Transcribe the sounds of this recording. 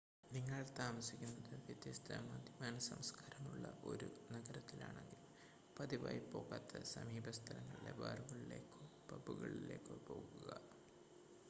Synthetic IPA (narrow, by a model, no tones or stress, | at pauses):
niŋːɐɭt̪aːmɐsikʲːunːɐðɨʋjɐd̪jɐst̪ʰa̰ːmaːd̪jimaːnɐsɐmskaːɾɐmuɭːɐʔo̞ɾunɐɡɐɾɐt̪ːilaːɳe̞ŋɡil | pɐðiba̰ːjpo̞ːɣaːt̪ːɐsɐmiːbɐst̪ʰɐlɐŋːɐɭilḛba̰ːruɣɐɭile̞ːkːo | pɐbuɣɐɭile̞ːkːopo̞ːɣuɣɐ